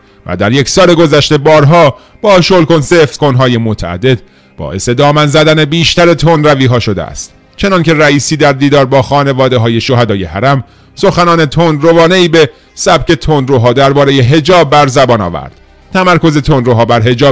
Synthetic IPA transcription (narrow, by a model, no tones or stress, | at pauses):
væ̰d̪æ̰ɾje̞csɒːle̞ɡo̞zæʃt̪e̞bɒːɾɦɒː | b̥ɒːʃolkonseft̪konɦɒːje̞mot̪ʰæ̰æ̰d̪ːe̞d̪̚ | b̥ɒ̰ːʔe̞se̞d̪ɒːmænzæd̪æne̞biːʃt̪æɾe̞t̪ʰonɾæviːɦɒːʃo̞d̪eæ̰st̪ | t͡ʃʰe̞nɒnce̞ræiːsiːd̪æɾd̪iːd̪ɒːɾbɒːxɒːne̞vɒːd̪e̞ɦɒːje̞ʃo̞ɦæd̪ɒːje̞hæɾæm | so̞xænɒːne̞t̪ʰonrovɒːne̞iːbe̞ | sæb̥ce̞t̪ʰonɾoɦɒːd̪æɾbɒːɾe̞jeɦe̞d͡ʒɒːb̚ːæɾzæbɒːnɒ̰ːvæ̰ɾd̪̥ | t̪ʰæmæɾkʰo̞ze̞t̪ʰonɾoɦɒːbæɾɦe̞d͡ʒɒː